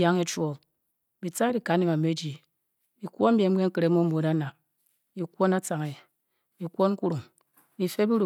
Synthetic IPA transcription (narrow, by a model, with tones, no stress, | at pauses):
ja˦ŋe˨t͡ʃwo˨l | bi˨t͡sa˦di˨ka˨˦ne˦˨ma˨me˦d͡ʒi˨ | bi˨kʷo˦m̩˦bje˨˦m̩˦ke˦ŋ̩˦kɨ˨ɾe˨˦mo˦mo˨˦da˦na˨p̚ | bi˨kʷo˦na˦t͡sa˨ŋe˨ | bi˨kʷo˦n˦ku˦ɾu˨ŋ | bi˨fe˦bi˦ɾu˨